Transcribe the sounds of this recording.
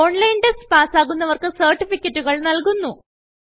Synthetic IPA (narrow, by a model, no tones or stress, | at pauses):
oɳlɐjnɖespaːsaːɣunːɐʋɐrkɨsɐrʈːifikʲːɐtːuɣɐɭnɐlkunːu